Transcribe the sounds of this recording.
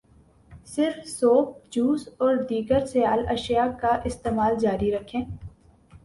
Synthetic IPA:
sɪɾfsoːp̚d͡ʒuːsɔːɾd̪iːɡəɾsɪjaːlɐʃijakaʔɪst̪eːmaːld͡ʒaːɾiɾɐkʰẽː

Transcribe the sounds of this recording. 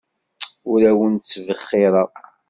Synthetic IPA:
ʊɾæwənt͡sːvəχːɪɾˤəˤ

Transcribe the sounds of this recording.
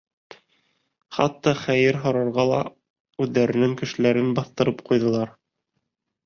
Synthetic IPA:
χɑ̰t̪ːɑχæjɘɾɦŏɾɑɾʁɑlˠɑ̰ | ʉðːæɾɘ̆nɘŋkɘ̆ʃɘ̆læɾɘnbɑθt̪ɤ̆ɾɤp̚qujðɤ̆lˠɑɾ

